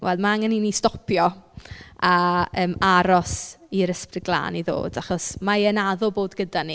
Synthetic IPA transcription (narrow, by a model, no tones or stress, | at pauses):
wɛ̰lˠmaaŋɛninistɔpʰjɔ | aəːmaɾɔsiɾəsprɪɡlˠa̰ːniðo̰ːd̥aχɔsmajənaðɔboːdɡədani